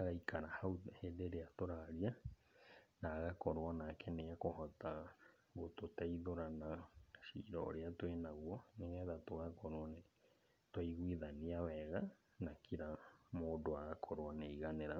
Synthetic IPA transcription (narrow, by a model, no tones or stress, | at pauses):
aɣajkʰaɾahawt̪hedeɾeat̪oɾaɾia | naɣakoɾoanakʰenejakoɦat̪a | ɡot̪ot̪eiðoɾanaʃḭɾo̰ɾeat̪wenaɣwoneɣeðat̪oɣakoɾoane | t̪woiɣwiðaniaweɣa | nakʰiɾamodoaɣakʰoɾoaneiɣaneɾa